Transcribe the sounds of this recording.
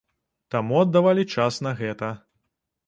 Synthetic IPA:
t̪amuɐd̪ːavalʲit͡ʂasnɐɣɛt̪ɐ

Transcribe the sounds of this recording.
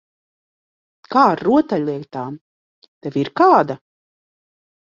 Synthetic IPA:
kaːɾːuɔt̪aʎʲlˠiɛkt̪aːm | t̪ɛviɾkaːd̪a

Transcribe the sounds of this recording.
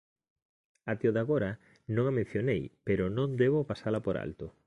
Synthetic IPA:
at̪eoðaɣoɾa | nõŋamẽn̟θjonejpeɾʊnõnd̪eβ̞opasalɐpoɾa̰lt̪o

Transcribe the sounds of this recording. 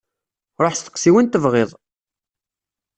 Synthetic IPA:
ɾˤoħst̪ə̥qːsiwənt̪əvʁɪðˤ

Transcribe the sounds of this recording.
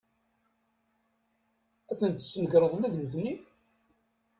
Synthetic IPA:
æθənt̪ːsːənəɡɾˤəðˤəmæðnθnːi

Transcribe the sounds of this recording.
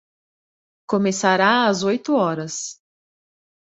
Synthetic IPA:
komesaɾaɐzojt̪ʊɔɾɐs

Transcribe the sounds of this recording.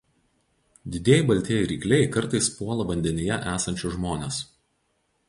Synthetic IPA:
d̪ʲɪd̪ʲiːɛjɪbɐlʲt̪ʲiɛjɪɾʲiːklʲɛjkɐɾt̪ɐɪspuɔlˠɐʋɐnʲd̪ʲɛnʲɪjɛʔæːsɐnʲt͡ʃʲʊʒmoːnʲes

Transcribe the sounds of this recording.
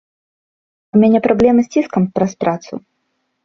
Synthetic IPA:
umʲanʲɛpɾablʲɛmɨsʲt͡sʲiskɐmpɾɐspɾat̪sṵ

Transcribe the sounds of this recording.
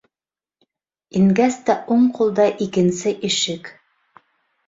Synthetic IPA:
iŋɡæst̪æʔuɴqʰulˠd̪ɑʔikɘ̆nsɘʔiʃɘk

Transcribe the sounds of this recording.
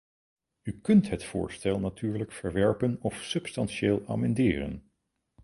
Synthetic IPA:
ykɵntɦətfʊ̰ːɹstɛlˠnatyːɹləkfəɹʋɛɹpənɔfsɵpstɑnʃeːlˠa̰ːmɛndɪːrə̰n

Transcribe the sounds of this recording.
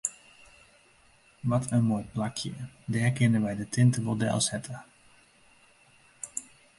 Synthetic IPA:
ʋɑtʰənmoːjplɑkʰjə̰dɛːɹkɪnənʋɛjdətɪntəmodɛ̰lˠshɛtə

